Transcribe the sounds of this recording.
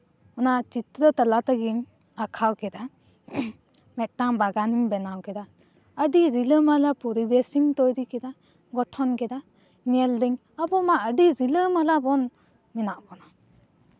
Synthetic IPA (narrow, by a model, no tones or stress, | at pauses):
ɔnat͡ʃit̪ɾət̪alat̪aɡiɲ | akʰawkɛd̪a | mɛt̪̚ˀtaŋbaɡaniɲbɛnawkɛd̪a | əɖiɾiləmalapuɾibesiŋt̪ɔjɾikɛd̪a | ɡɔʈʰɔnkɛd̪a | nɛld̪iɲ | abɔmaʔəɖiɾiləmalabɔn | minaʔkɔna